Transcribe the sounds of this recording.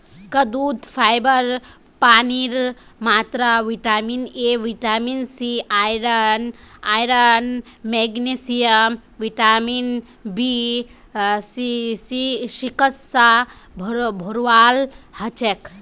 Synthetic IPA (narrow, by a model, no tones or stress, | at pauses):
kɐd̪uːd̪pʰajbəɾ | paːniɾmaːt̪ɾaʋiʈaːmineʋiʈaːminsiʔaːjɾɐnajɾənmeɡnesijəm | ʋiʈaːmin | bi | sisiʃikəsːa | bʱbʱoɾʋaːlhət͡ʃek